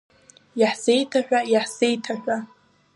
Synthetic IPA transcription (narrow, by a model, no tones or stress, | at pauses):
jaħsejtʰaħᶣajaħsejtʰaħᶣʷa